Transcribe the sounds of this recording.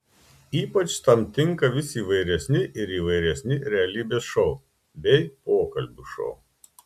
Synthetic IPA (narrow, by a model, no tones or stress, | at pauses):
iːpɐt͡ʃt̪ɐmt̪ʲɪŋkɐʋʲɪsʲiːʋɐɪɾʲɛsʲnʲɪʔɪɾiːʋɐɪɾʲɛsʲnʲɪɾʲɛɐlʲiːbʲeːsʃɔʊ | bʲɛɪpoːkɐlʲbʲʊʃɔ̰ʊ